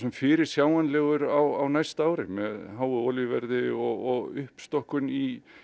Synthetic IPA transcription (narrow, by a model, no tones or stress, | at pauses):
sɛmfɪːɾɪɾ̥sjaːwanlɛːɣʏɾawawnajst̪aːwɾɪ̰mɛðɦaːwʏɔːlivɛɾðɪɔɣɔɣʏhpst̪ɔhkʏni